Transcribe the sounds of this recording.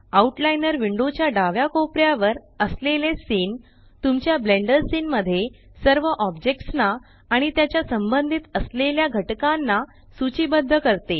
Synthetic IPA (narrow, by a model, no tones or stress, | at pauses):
auʈlajnəɾʋiɳɖot͡ɕjaɖaʋjakopɾjaʋəɾ | əslelesiːn | t̪umt͡ɕjableɳɖəɾsinməd̪ʱːje | səɾʋəʔɔbd͡ʑek̚ʈsnaː | ɽ̃it̪jat͡ɕjasəmbənd̪ʱit̪əsleljaɡʱəʈkanːa | sut͡ɕiːbəd̪ʱːəkəɾt̪e